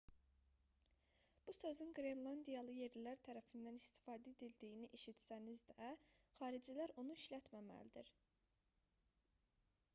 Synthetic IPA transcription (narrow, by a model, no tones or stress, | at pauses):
b̥usø̞zynɡɾenlˠɑnd̪ijɑlˠɯje̞ɾlæɾt̪ʰæɾæfind̪ænist̪i̥fɑːd̪æed̪ild̪ijiniʔeʃit̪sænizd̪æχɑːɾid͡ʒilæɾonuiʃlæt̪mæmæ̰lid̪iɾ